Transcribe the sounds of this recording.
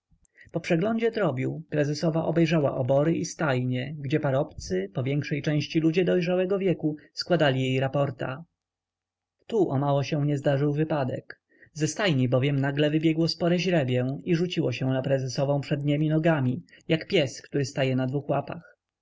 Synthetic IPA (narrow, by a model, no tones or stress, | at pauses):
pɔpʂɛɡlɔɲd͡ʑɛd̪ɾɔbʲjuwpɾɛzɛsɔvaʔɔbɛjʐawa̰ʔɔbɔɾɘʔist̪ajɲɛɡd͡ʑɛpaɾɔpt̪sɘpɔvʲjɛŋkʂɛjt͡ʂɛ̃w̃ɕt͡ɕilud͡ʑɛd̪ɔjʐawɛɡɔvʲjɛkuskwad̪alʲijejɾapɔɾt̪a̰ | t̪uʔɔmawɔɕɛw̃ɲɛzd̪aʐɘwvɘpad̪ɛ̰k | zɛst̪ajɲibɔvʲjɛmnaɡlɛvɘbʲjɛɡwɔspɔɾɛʑɾɛbʲjɛiʐut͡ɕiwɔɕɛ̃w̃napɾɛzɛsɔvɔ̃w̃pʂɛd̪ɲemʲinɔɡamʲijakpʲjɛskt̪uɾɘst̪ajɛnad̪vuxwapa̰x